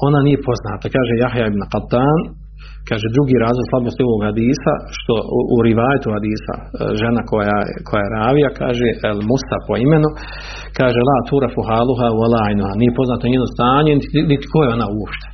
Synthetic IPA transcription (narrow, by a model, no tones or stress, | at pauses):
o̞nanije̞po̞znaːt̪akaːʒejaɦjaibnqalt̪aːn | kaːʒed̪ɾuɡiːɾaːzlˠoɡslˠabnost̪io̞ʋoɡhad̪iːsa̰ʃt̪o̞̰ṵɾiʋaːjat̪uhad̪iːsa̰ʒenakoja̰kʰo̞jajeɾaːʋijakʰa̰ːʒeʔelmusapo̞imenu | kaːʒelaːt̪uɾafuɦaːlˠuɦawalˠaːinuhanijepo̞znaːt̪aɲeːnost̪aːɲenit̪i̥kojeo̞nauopʃt̪e̥